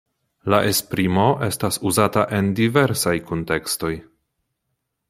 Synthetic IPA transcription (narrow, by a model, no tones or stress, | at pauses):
laʔe̞spɾimo̞ʔe̞stasuzataʔe̞ndive̞ɾsajkonte̞ksto̞j